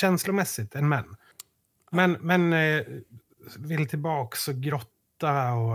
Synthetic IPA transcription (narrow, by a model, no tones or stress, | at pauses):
ɛnslʊmɛsːɪt̪ʰɛnmɛnː | mɛnmɛn | vɪlt̪ʰɪlbɑːksɔɡɾɔt̪ːaɔ